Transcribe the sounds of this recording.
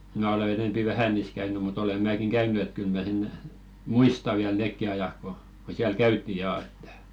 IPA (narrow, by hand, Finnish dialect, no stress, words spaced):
mæ ole enempi ʋæhæ niːs kæyny mut ole mæːkiŋ kæynˑy et kyl mæ sen muistɑ ʋiæl neˑkːi ɑjɑk ko ko siæl kæytːi jɑː etːæ̥